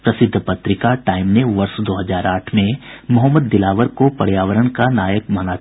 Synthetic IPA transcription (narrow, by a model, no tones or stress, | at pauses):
pɾɐsɪd̪ʱːpɐt̪ɾɪkaʈaːɪmneʋɐɾsd̪oːɦɐzaːɾaːʈʰmẽmʊɦəmːəd̪ːɪlaːʋəɾkopɐɽjaːʋəɾəɳkanaːjəkmana